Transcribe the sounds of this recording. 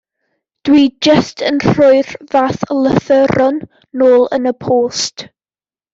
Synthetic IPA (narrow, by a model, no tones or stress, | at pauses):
d̥wiːd͡ʒəstʰənr̥ʊɨrvaːθələθəɾɔnː | oːlˠənəpʰoːst